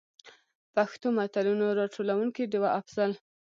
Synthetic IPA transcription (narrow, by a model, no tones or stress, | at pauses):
paxt̪omat̪alunoɾɑʈʰolawuŋkiɖewaʔafz̥al